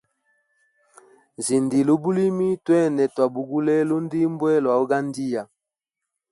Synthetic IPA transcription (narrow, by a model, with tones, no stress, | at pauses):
zi˨ndi˨lo˨bu˦li˦mi˦twɛ˦˨nɛ˨twa˨bu˨ɡu˦lɛ˦lo˦ndi˦mbwɛ˦lwa˨o˦ɡa˦ndi˦ja˨